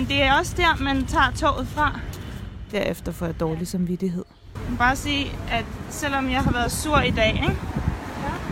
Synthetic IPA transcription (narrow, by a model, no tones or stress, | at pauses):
end̥e̝æɐɒ̽sd̥æɐ̰mænt͡sʰɑ̰̈ːt͡sʰɔ̰ːʊð̩ˠfʁɑ̈ | d̥æɐ̰efd̥ɐfɒ̰jɑ̈d̥ɒːlisɑ̈mʋid̥iɦe̝ð̰ˠ | b̥ɑ̈ːsiːʔæd̥sel̰ɒ̽mjɑ̈ɪɦɑ̈ʋæɐðˠsuɐ̰id̥ɛ̰ːeɡ̥